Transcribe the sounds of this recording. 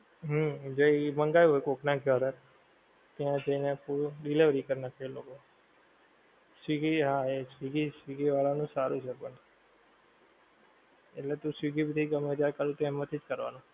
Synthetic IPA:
ɦəd͡ʒoiməŋɡajũɦojkoknaɡjəɾə | t̪jãd͡ʒəinepuɾɖiliʋɾikəɾnakʰeloko | siɡiɦaesʋiɡisʋiɡiʋaɭanũsaɾũt͡ʃʰepəɳ | eʈlet̪ũsiɡibid̪ʱiɡəmeɾjakəɾũt̪oɛmət̪ʰid͡ʒkəɾʋa̰nũ

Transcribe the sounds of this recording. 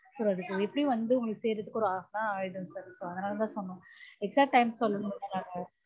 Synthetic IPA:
soːɐðɯsoɛpːɐɽiʋɐnd̪ɯʊŋɡɐɭkːɯseːɾɯʈ̪ːɯkːɔɾ̃aːfnãaːjʈɯ̃nsɐɾsoːɐðɐnaːlɐt̪ãːsɔnːʊ̃ɛksaːkʈ̚ʈːɐɪmsɔlːɯɐðɐnaːŋɐ

